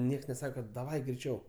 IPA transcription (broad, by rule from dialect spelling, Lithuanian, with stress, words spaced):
ˈnʲiɛks nʲɛˈsɑːkɐ kɐt dɐˈʋɐɪ ɡrʲɛɪˈt͡ʃʲɛʊ